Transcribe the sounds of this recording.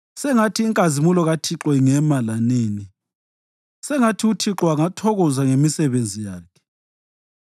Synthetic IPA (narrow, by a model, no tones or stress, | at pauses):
sɛŋatʰiːŋkʼazimulɔɣatʰiǁwɛŋɛmalaneːni | sɛŋatʰiutʰiǁwaŋatʰɔɣɔzaŋemisɛβend͡zʱijaːkʰɛ̥